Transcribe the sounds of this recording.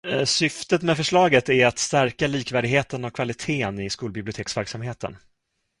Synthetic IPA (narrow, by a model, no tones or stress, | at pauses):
sʏft̪ət̪mɛfœʂɭɑːɡət̪æɾat̪st̪æɾkaliːkvæːɖɪɡheːt̪ənɔkʰvalɪt̪ʰeːənɪskuːlbɪblɪʊt̪ʰeːksvæɾksamheːt̪ə̰n